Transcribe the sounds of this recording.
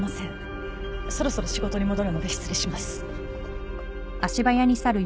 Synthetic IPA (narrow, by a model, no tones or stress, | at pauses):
masẽɴ | so̞ɾo̞so̞ɾo̞ɕiɡo̞t̪o̞ɲ̟imo̞d̪o̞ɾɯno̞d̪eçʲi̥t͡sɨɾʲiɕimasɨ̥ | aɕibajaɲ̟isaɾɯ̟